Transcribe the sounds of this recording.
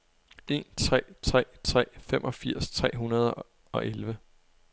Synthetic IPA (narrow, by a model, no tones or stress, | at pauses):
e̝nt͡sʰʁɛ̰ːt͡sʰʁɛ̰ːt͡sʰʁɛ̰ːfemʔɒ̽fiɐ̰st͡sʰʁɛ̰ːɦunɐð̞ˠə | ɒ̽ʔelʋə